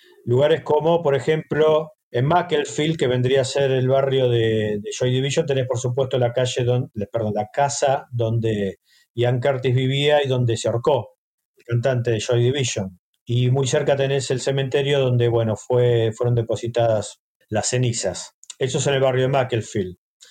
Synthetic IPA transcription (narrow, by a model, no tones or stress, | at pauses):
luɣaɾe̞sko̞mo̞po̞ɾexe̞mplo̞ | emakelfilkeβe̞nd̪ɾiaːseɾelβarjo̞ðeðeʃojðiβiʃo̞nt̪enespoɾsup̬we̞st̪olakaʒeðopeɾðõnlakasaðo̞nd̪e | iaŋkeɾt̪izβiβiaiðo̞nd̪e̞seoɾko̞ | elkant̪ant̪e̞ðeʃojðiβiʃon | imujseɾkat̪e̞nese̞lse̞ment̪eɾjo̞ðo̞nd̪e̞βwe̞no̞fwefweɾo̞nd̪e̞po̞sit̪aðas | lase̞nisasesoes̬enelβarjo̞ðemakelfil